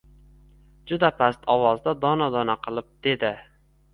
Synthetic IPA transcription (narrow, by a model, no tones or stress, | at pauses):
d͡ʒʊd̪apʰast̪ʰɒwɒzd̪ad̪ɒnad̪ɒnaqʰɨlˠɪp̚d̪̥e̞d̪ɪ